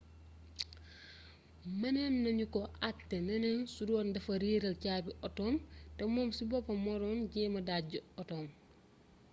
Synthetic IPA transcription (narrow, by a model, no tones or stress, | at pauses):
mɐnɛnːɐɲukɔʔatːɛnɐnɛnsudɔːndɐfɐɾiːɾɐlcaːbiʔɔtɔːmtɛmɔːmsibɔpːɐmɔɾɔːnɟɛːmɐdaːɟuɔtɔːm